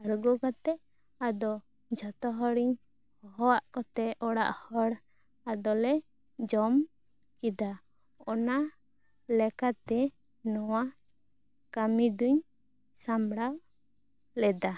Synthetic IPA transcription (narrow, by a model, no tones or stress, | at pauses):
aɾɡɔkat̪ɛʔ | ad̪ɔ | d͡ʒʱɔt̪ɔɦɔɾiɲ | hɔɦɔwaʔkɔt̪ɛɔɽa̰ʔhɔɽ | ad̪ɔlɛ | d͡ʒɔm | kid̪a | ɔna | lɛkat̪ɛ | nɔwa | kamid̪uɲ | samɽaw | lɛd̪a